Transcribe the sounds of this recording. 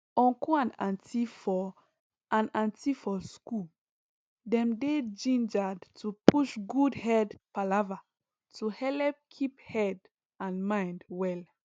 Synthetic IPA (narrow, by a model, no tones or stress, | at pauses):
ɔ̃ŋkuãnãntʰifɔ | ãnãntifɔsku | dɛ̃mded͡ʒĩnd͡ʒadtupuʃɡudhɛdpalava | tuhɛlɛp̚kʰiphɛd | ãnmãjndwɛl